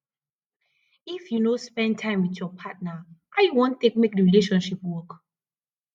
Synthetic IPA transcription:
ifjunospɛ̃n̚tʰãɪ̃mwitjɔpʰat̚naʔajuwõntek̚mek̚dəɹileʃɔ̃nʃipwɔk

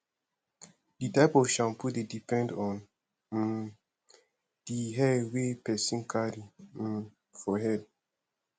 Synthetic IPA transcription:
ditaɪpɔvʃãmpudedipɛ̃ndɔ̃n | d̥iɦɛwepɛsĩnkʰaɾi | fɔɦɛd̚

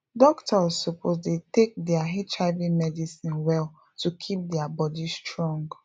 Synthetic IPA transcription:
dɔktɔsopʰozdetek̚dɛaɦɛtʰɹaɪvĩmɛdisĩnwɛl | tukʰip̚dɛabɔdistɹɔ̃ŋɡ

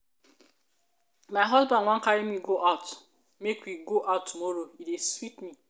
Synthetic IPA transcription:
maɦɔzbãnŋʷãŋ̩kaɾemiɡoʔaʊt | mekwiɡoʔaʊtʰːumoɾoideswitmi

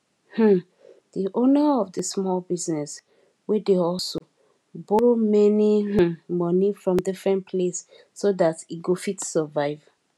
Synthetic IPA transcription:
h̩ | diʔonəɔvdəsmɔlbiznɛs | wɛdeɔlso | bomɛnih̩mɔnifɹɔ̃mdifɹɛ̃npʰlesː | oðatiɡofitsəvaɪv̥

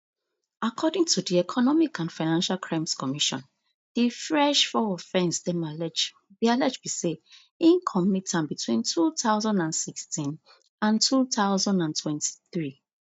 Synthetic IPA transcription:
akʰɔdɪ̃ŋtʰudiɛkʰɔnɔmikʰãnfaɪnãnʃalkʰɹãɪ̃mskʰɔmiʃɔ̰̃n | d̥ifɹɛʃfɔɔfɛ̃nsdɛ̃malɛd͡ʒ | bialɛd͡ʒbise | ĩnkʰɔmitʰãnbitʰwĩntʰuθaʊzãndãnsikstʰĩn | ãntʰuθaʊzãndãntʰwɛ̃ntʰi̥θɹi

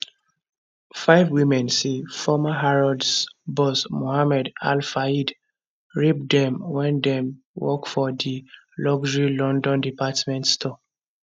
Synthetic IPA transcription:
faɪvwimɛ̃nsifɔmaɦaɹɔdsbɔsmohamɛda̰lfaid | ɹib̚dɛ̃mwɛ̃ndɛ̃m | wɔ̰kfɔdi | lɔɡd͡ʒɹilɔ̃ndɔ̃ndipatmɛ̃ntstʰɔ

